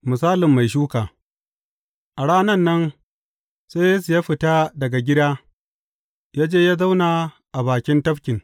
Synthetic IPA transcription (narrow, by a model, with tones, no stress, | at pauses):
mʊ˨saː˦lɪ˨mːa˨jʃ̬uː˦kaː˨ | ʔa˨ɽaː˦nɐ˦˨nːɐ˦n | sa˦ja˦su˨ja˦ɸɪ˨taː˦dɐ˨ɡa˨ɡʲɪ˦daː˦ | jaː˦d͡ʒeː˦jaː˦za˦wnaː˨ | ʔa˨baː˨kʲɪ˦ntɐ˦ɸkʲɪ˨ŋ